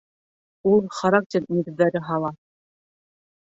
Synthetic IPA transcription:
ulˠχaɾak̚tʲeɾnʲiɡɘ̆ðːæɾɘɦɑlˠɑ

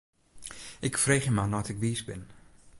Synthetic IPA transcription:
ʔɪkfreːχəmanɔtɪkʋiːsbɪn

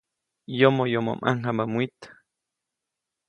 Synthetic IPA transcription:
jomojomo̰mʔa̰ŋhamamwit̪

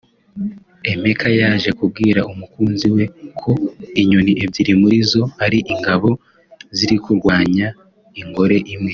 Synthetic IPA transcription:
e̞me̞kʰajaːʒe̞kub̚ɡiːɾaʔumukuːnziwe̞kʰo̞iɲoniʔebɟiɾimuɾizo̞aɾiʔiŋɡaβo̞ | ziɾikuɾɡwaːɲa | iŋɡo̞ɾe̞ʔimŋe̞

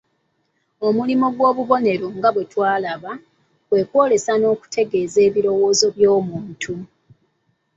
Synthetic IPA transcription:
o̞mulimo̞ɡwo̞ːβuβo̞ne̞ɾoŋɡaβwe̞twaːlaβa | kwe̞kwo̞ːle̞sano̞ːku̥tʰe̞ɡe̞ːze̞ːβiɾo̞wo̞ːzo̞βjo̞ːmuːntʰu

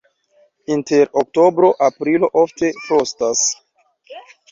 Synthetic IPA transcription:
inte̞ɾok̚to̞bɾo̞ʔapɾilo̞ʔofte̞fɾo̞stas

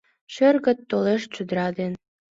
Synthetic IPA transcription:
ɕørɣə̆t̪ːoleʃt͡ɕud̪ɾɑd̪en

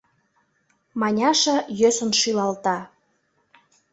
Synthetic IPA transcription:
mɑnʲɑʃə̆jøsə̆nʃylɑlt̪ɑ

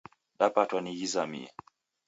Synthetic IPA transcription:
ɗapatwaniɣizamḭa̰

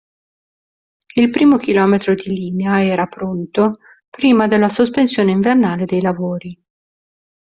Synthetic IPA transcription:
ilpɾiːmok̟ilɔːmet̪ɾod̪iliːneaɛːɾapɾont̪o | pɾiːmad̪elːasospensjoːneiɱvernaːled̪ejlavoːɾi

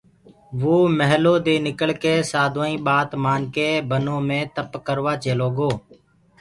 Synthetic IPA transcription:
ʋoːməɦloːd̪eːnɪkəɭkeːsaːd̪ʱoːĩːɓaːt̪maːnkeːbənõːmẽːt̪əpkəɾʋaːt͡ʃeːloːɡoː

